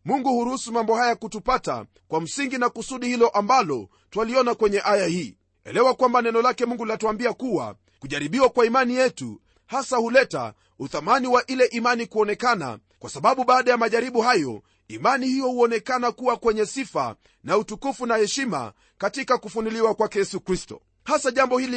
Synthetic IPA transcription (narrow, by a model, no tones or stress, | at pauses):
muŋɡuhuɾuhusumambɔhajakutupata̰ | kwam̩siŋɡinakusuɗihilɔʔambalɔ | twaliɔnakwɛɲɛʔajahiː | ɛ̰lɛwakwambanɛnɔlakɛmuŋɡulatuambiakuwa̰ | kuʄaɾiɓiwakwaimanijɛtṵ | hasahulɛta̰ | uθamaniwaʔilɛʔimanikuɔnɛkana̰ | kwasaɓaɓuɓaːɗajamaʄaɾiɓuhajɔ̰ | imanihijɔhuɔnɛkanakuwakwɛɲɛsifa̰ | nautukufunahɛʃima̰ | katikakufuniliwakwakɛjɛsukɾistɔ̰ | hasaʄambɔhili